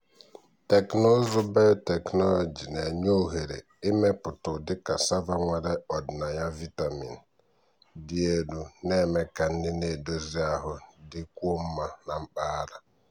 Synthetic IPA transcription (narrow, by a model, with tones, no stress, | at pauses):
te˨kno˦zʊ˦ba˦jʊ˦te˨knɔ˦lɔ˨d͡ʒi˨ne˨ɲ˦o˦˨ɦe˨ɾḛ˨ | ɪ˦me˦pʊ˨tʊ˨dɪ˦ka˨sa˦va˦ŋʷe˨ɾe˦ɔ˨dɪ˨na˨ja˦vi˦ta˨mḭ˨n˨ | dɪ˦e˦du˨ne˦me˦ka˨n̩˦dɪ˦ne˨do˦zi˦a˦ɦʊ˦dɪ˦ku˦o˦m̩˦ma˨na˨m̩˦k͡pa˦a˦ɾa˦